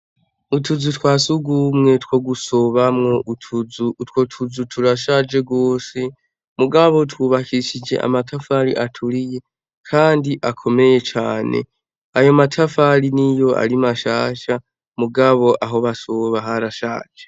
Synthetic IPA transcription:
utʰuzutwaːsuɡumŋe̞two̞ɡuso̞βamŋo̞ʔutʰuzutwo̞tʰuzutʰuɾaʃaːd͡ʒe̞ɡwo̞ːse | muɡaβo̞twuβakʰiʃid͡ʒe̞̰ʔa̰matʰafaɾḭʔatʰuɾije̞ | kʰaːndiʔakʰo̞me̞je̞t͡ʃaːne̞̰ | ajo̞matʰafaɾinijo̞ʔa̰ɾimaʃaːʃa | muɡaβo̞ʔaɦo̞βasoβaɦaɾaʃa̰ːd͡ʒe

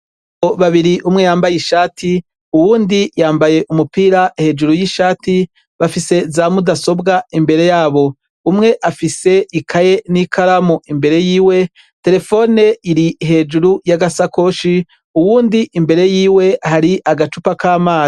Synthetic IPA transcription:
oβaβiɾiʔumŋe̞jaːmbajiʃaːtʰi | uwuːndijaːmbaje̞ʔumupiɾahe̞ːd͡ʒuɾujiʃaːti | βafise̞zaːmudaso̞bɡaimbe̞ɾe̞jaːβo̞ | umŋe̞ʔafise̞ʔikʰaje̞nikʰaɾamoʔimbe̞ɾe̞jiːwe̞ | te̞ɾe̞fo̞ne̞iɾiɦe̞ːd͡ʒuɾujaɡasako̞ːʃi | uwuːndiʔimbe̞ɾe̞jiːwe̞ʔhaɾiʔaɡat͡ʃupakaːmaːza

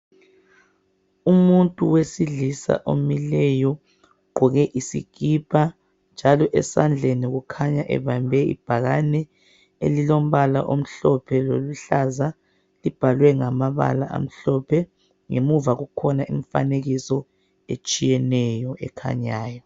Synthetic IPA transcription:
umuntʼuwesiɮisa̰ʔomilɛjɔ | ɡ͡ǃʱuɣɛʔisḭɡ̥ʱipʰa | nd͡ʒʱalɔʔɛsand͡ɮʱeniɣukʰaɲaʔɛ̰βambʱɛḭb̥ʱaɣanɛ | elilom̩βalaʔom̩ɬɔpʰɛlo̰luɬaza | lib̥ʱalwɛŋamaβa̰la̰ʔa̰m̩ɬɔpʰɛ | ŋemuvaɣukʰɔnaʔimfa̰neɣisɔ | ḛt͡ʃʼijɛnɛjɔʔɛ̰kʰa̰ɲaːjɔ

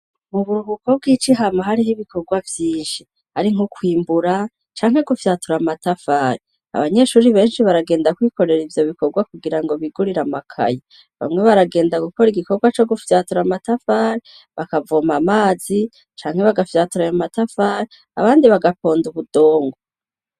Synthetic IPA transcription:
muβuɾuβuko̞b̚ɡiːt͡ʃiɦamaɦaɾiɦiβikʰo̞ɡwavjiːnʃi | haɾiŋ̥hukwiːmbuɾa | t͡ʃaːŋ̥he̞ɡufjaːtuɾamatafaːɾi | a̰βaɲe̞ʃuːɾiβe̞ːnʃiβaɾaɡe̞ːndakwiːko̞ɾe̞ɾivjo̞βiko̞ɡwakuɡiɾaŋɡo̞βiɡuɾiɾamakʰa̰ja | βa̰mŋe̞βaɾaɡe̞ːndaɡuko̞ɾiɡiko̞ɡwat͡ʃo̞ɡufjaːtuɾamatafaːɾi | βakavoːmamaːzi | t͡ʃaːŋhe̞βaɡafjaːtuɾajamatafaːɾi | a̰βaːndiβaɡapo̞ːnduβudo̞ːŋɡo

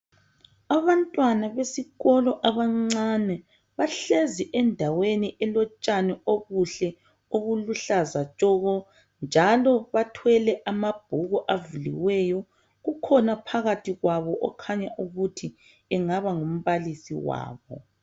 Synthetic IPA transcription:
aβantʼwanaβesiɣɔlɔʔaβaŋ͡ǀanɛ | βaɬeziʔɛndʱaweniʔɛlɔt͡ʃʼanɛoɣuɬɛ | oβuluɬazat͡ʃʼɔɣɔ | nd͡ʒʱalɔβatʰwɛlɛʔamab̥ʱuɣɔʔavulḭwɛːjɔ | ɣukʰɔnapʰaɣatʰiɣwaβɔʔɔkʰaɲaʔuɣutʰi | ɛŋaβaŋom̩βalisḭwa̰ːβɔ̰

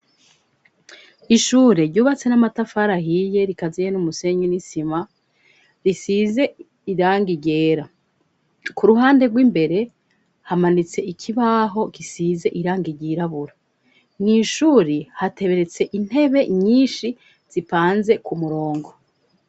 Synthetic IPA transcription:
iʃuːɾeɾɟuːβat͡se̞namatafaɾaɦije̞ɾikazijenumuse̞ɲinisima | ɾisize̞ | iɾaːŋɡiɟe̞ːɾa | kuɾuɦaːnde̞ɡwiːmbe̞ɾe̞ | hamanit͡se̞ʔikʰiβaɦo̞kisize̞ʔiɾaːŋɡiɟiːɾaβuɾa | n̥iːʃuːɾihate̞βe̞ɾe̞t͡se̞ʔin̥he̞βe̞ɲiːnʃi | z̥ipaːnze̞kumuɾo̞ːŋɡo̞

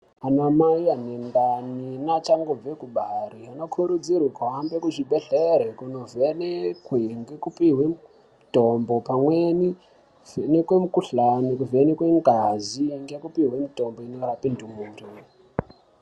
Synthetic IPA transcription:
anamaianendaninat͡ʃaŋɡob͡vekuɓariano̞kʰuɾud͡zirwikuɦambe̞kuʐiɓeɬeɾekuno̞venekweŋɡekupiɦwe | tombo̞pamweni | nekwemukuɬanikuvenekweŋɡaziŋɡekupiɦwemito̞mboino̞ɾapindumunto

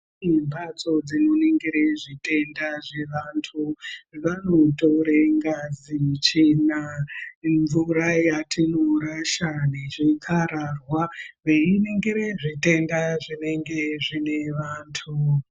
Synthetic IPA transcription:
imbat͡so̞d͡zino̞neŋɡiɾeʐite̞ndaʐeʋantʰuʋanotoɾeŋɡazimut͡ʃina | ɱvurajatʰinoɾaʃaneʐikʰaɾarwaʋeineŋɡiɾeʐite̞ndaʐine̞ŋɡe̞ʐineʋaːntʰu

